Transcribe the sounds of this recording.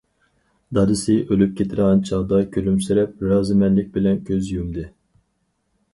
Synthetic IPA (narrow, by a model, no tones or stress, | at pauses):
d̪ɑɾɨsɪʔølyp̚kʲʰet̪ʰɪɾʁɑnt͡ʃʰɑʁd̪ɑkʲʰølymsyɾɛp̚ɾɑːzɨmɛnlɪk̚ʲbɪlɛnkʲʰøzjymd̪ɪ